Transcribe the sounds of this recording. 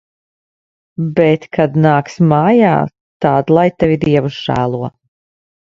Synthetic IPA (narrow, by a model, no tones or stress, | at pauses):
bɛt̪kʰad̪naːksmaːja̰ː | t̪aːd̪lˠajt̪ɛvʲid̪iɛvusʒ̥æ̰ːlˠuɔ